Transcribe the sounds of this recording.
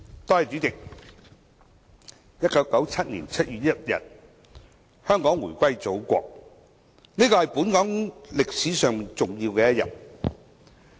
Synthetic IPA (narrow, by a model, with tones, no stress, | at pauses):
t̪ɔː˧jɐ˨t͡ʃy˨˥ɪ˨k̚ | jɐ˥t̚kɐ˨˥wkɐ˨˥wt͡sʰɐ˥t̚nḭː˨˩nt͡sʰɐ˥t̚jyː˨t̚jɐ˥t̚jɐ̰˨t̚ | hœː˥ŋkɔː˨˥ŋwuː˨˩kʷɐ˥jt͡so˨˥wkʷɔ̰ː˧k̚ | niː˥kɔː˧hɐ˨jpuː˨˥nkɔː˨˥ŋlɪ˨k̚siː˨˥sœː˨˧ŋmiː˨˩nt͡sʊ˨ŋjiː˧wkɛː˧jɐ˥t̚jɐ̰˨˩t̚